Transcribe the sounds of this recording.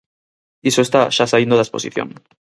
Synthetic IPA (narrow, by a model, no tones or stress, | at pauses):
isoe̞st̪aʃasaind̪oðespo̞̰siθjo̰ŋ